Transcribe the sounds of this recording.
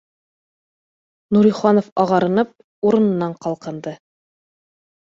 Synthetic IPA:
nuɾijχɑnofɑʁɑɾɤ̆nɤp̚ | uɾɤ̆nɤ̆nːɑɴqɑlˠqɤ̆nd̪ɤ

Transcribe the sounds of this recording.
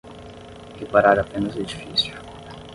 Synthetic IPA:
hepaɾaɾapẽnɐzʊd͡ʒifisjʊ

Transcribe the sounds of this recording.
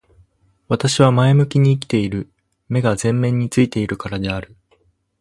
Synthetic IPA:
βat̪aɕiβamae̞mɯ̟kʲiɲ̟iːkʲi̥t̪e̞iɾɯ̟ | me̞ɡazẽ̞mːẽ̞ɲ̟ːit͡sɨit̪e̞iɾɯ̟kaɾad̪e̞aɾɯ̟

